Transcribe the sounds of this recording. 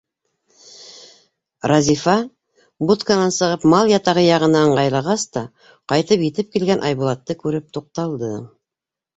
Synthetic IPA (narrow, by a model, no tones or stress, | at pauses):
ɾɑzʲifɑ | but̪kanɑnsɤ̆ʁɤpmɑlˠjɑt̪ɑʁɤjɑʁɤ̆nɑɴɢɑjlˠɑʁɑst̪ɑ | qɑjt̪ɤpjɘ̆t̪ɘp̚kilɡænʔɑjβulˠɑt̪ːɤkʉɾɘp̚t̪uq̚t̪ɑlˠd̪ɤ